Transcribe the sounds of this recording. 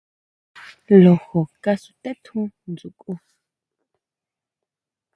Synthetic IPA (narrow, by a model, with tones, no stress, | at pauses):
lɔ˨xɔ˨kʼa˦su˨t̪ʼɛ˦t̪ʰũ˦nd͡zu˨kʼu˦